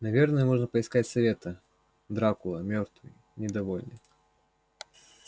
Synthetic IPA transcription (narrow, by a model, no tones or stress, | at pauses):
nɐvʲernəjəmɔʐnəpəɪskatʲsɐvʲet̪ɐ | d̪ɾakʊlˠɐmʲɔrt̪vɨj | nʲɪd̪ɐvɔlʲnʲɪk